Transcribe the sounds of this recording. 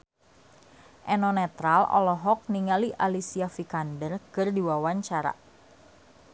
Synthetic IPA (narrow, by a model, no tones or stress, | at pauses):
ʔɛnɔnɛt̪ɾalɔ̰lɔɦɔk̚niŋaliʔalisiafikandərkɨrdiwawaɲt͡ʃaɾa̰